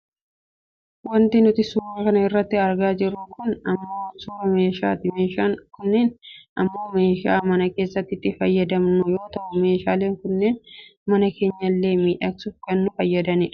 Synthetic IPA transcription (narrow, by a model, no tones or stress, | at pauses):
wɐnt̪ɪnʊt̪ɪsuːɾɐkɐnɐɪrːɐt̪ːɪɐɾɡaːd͡ʒɪrːʊkʰʊnɐmːo̞ːsuːɾɐme̞ːʃa̰ːt̪ɪmeːʃaːŋkʊnːeːnʔɐmːo̞ːme̞ːʃaːmɐnɐke̞ːsːɐt̪ːɪt̪ːɪfɐjːɐd̪ɐmnʊjo̞ːt̪ɐʔʊme̞ːʃaːleːŋkʊnːe̞ːnmɐnɐke̞ːɲːɐlːe̞ːmiːᶑɐksʊfkɐnːʊfɐjːɐd̪ɐnɪᶑɐ̥